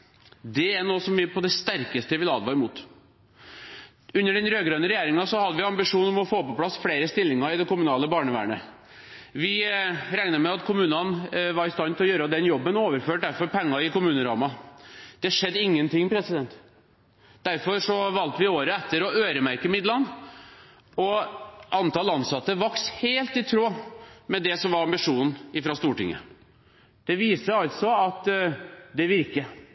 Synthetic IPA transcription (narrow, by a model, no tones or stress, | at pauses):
d̪ɛænoːsɔmʋɪpʰɔd̪ɛst̪æɾkəst̪əʋɪlɑ̰ːd̪ʋɑɾmuːt̪ | ʉnːəɖɛnɾøːɡɾønəɾɛjeːɾɪŋɑsɔhɑd̪ːəʋɪɑmbɪʂuːnɔmɔfoːpɔpʰlɑsːfleːɾəst̪ɪlːɪŋɑɾɪd̪ɛkʊmʉnɑːləbɑːɳəʋæ̰ːɳə̰ | ʋɪɾæɪnəɾmɛɑt̪kʰʊmʉːnɑnʋɑɾɪst̪ɑnt̪ɪlɔjøːɾəd̪ɛnjɔbːənoːʋəɾføːʈ̚d̪æɾfɔɾpɛŋːɑɪkʊmʉːnəɾɑ̰ːmɑd̪̥ɛʂɛd̪ːɪŋːənt̪ʰɪŋːpɾɛsɪd̪ɛnt̪ | d̪̥æɾfɔɾʂɔʋɑlt̪əʋɪoːɾəɛt̪ːəɾɔøːɾəmæɾkəmɪd̪lɑn | ɔʔɑnt̪ɑlɑnsɑt̪ːəʋɑksheːlt̪ɪt̪ʰɾoːmɛd̪ɛsɔmʋɑɾɑmbɪʂuːnn̩ɪfɾɑst̪uːʈɪ̰ŋːə̰ | d̪̥ɛʋiːsəɑlt̪sɔɑt̪ | d̪ɛʋɪɾkə